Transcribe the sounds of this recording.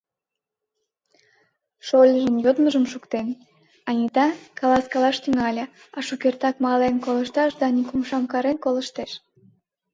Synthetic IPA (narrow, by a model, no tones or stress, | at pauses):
ʃolʲəʒənjod̪məʒəmʃukt̪en | ɑnʲit̪ɑkɑlɑskɑlɑʃt̪yŋɑlʲe | ɑʃukert̪ɑkmɑlenkoləʃt̪ɑʃd̪ɑnikumʃɑmkɑɾenkoləʃt̪eʃ